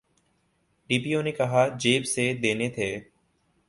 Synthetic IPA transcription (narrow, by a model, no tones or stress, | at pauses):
ɖiːpiːõːneːkəɦaːd͡ʒeːbseːd̪eːneːt̪ʰeː